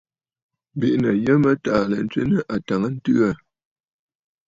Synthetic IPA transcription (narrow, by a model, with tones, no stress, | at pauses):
bi˦ʔnə˨jə˦mə˦taː˨lə˨n˦t͡sɥḛ˦nə˦ʔa˨ta˨ŋə˦n̩˦tɯ˦a˦˨